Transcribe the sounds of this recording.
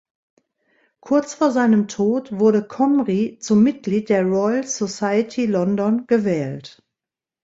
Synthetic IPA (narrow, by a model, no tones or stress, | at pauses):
kʰʊɐt͡sfoːɐzaɪnəmtʰoːtv̥ʊɐɾəkʰɔmʁit͡sʊmːɪt̚ɡ̥liːt̚d̥eːɐʁɔʏlz̥osaɪətʰilɔndɔnɡ̥əvɛːlt